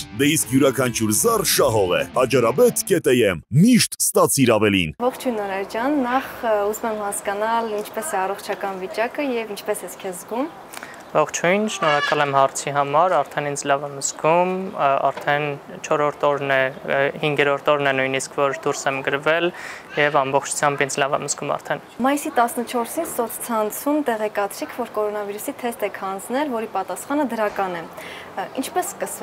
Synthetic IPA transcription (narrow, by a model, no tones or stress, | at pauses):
d̪ɛiskjuɾɑkʰɑnt͡ʃʰuɾzɑrʃɑɦɔʁɛ̰ɑd͡ʒɑɾɑbɛt̪ʰkɛt̪ɛjɛmːiʃt̪st̪ɑt͡sʰiɾɑvɛlḭnvɔχt͡ʃʰujnɔɾɛɾd͡ʒɑnːɑχuzumɛmhɑskɑnɑlint͡ʃʰpɛsɛɑrɔχt͡ʃʰɑkɑnvit͡ʃɑkəjɛvint͡ʃʰpɛsɛskʰɛzzɡum | vɔχt͡ʃʰhujnʃnɔɾɑkɑlɛmhɑɾt͡sʰiɦɑmɑɾɑɾt̪ʰɛnind͡zʰlɑvɛmzɡumɑ̰ɾt̪ʰɛnt͡ʃʰɔɾɔɾt̪ʰɔɾnɛhiŋɡɛɾɔɾt̪ʰɔɾnɛnujniskʰvɔɾd̪uɾsɛmɡəɾvɛljɛvɑmbɔχt͡ʃʰu̥t͡sʰjɑmbind͡zlɑvɛməskumɑ̰ɾt̪ʰɛnmɑjisit̪ɑsnət͡ʃʰɔɾsinsɔt̪ʰt͡sʰɑnt͡sʰumt̪ɛʁɛkɑt͡sʰɾikʰvɔɾkɔɾɔnɑviɾusit̪ʰɛst̪ɛkʰhɑnd͡znɛlvɔɾipɑt̪ɑsχɑnəd̪əɾɑkɑnɛ | int͡ʃʰpɛskəs